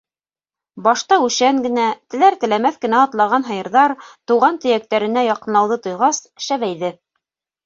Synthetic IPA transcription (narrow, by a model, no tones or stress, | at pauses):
bɑʃt̪ɑʉʃæŋɡɘ̆næt̪ɘ̆læɾt̪ɘ̆læmæθkɘ̆næɑt̪lˠɑʁɑnɦɑjɤ̆ɾðɑɾt̪uʁɑnt̪ɵ̆jæk̚t̪æɾɘ̆næjɑqɤ̆nlˠɑwðɤt̪ŏjʁɑsʃæβæjðɘ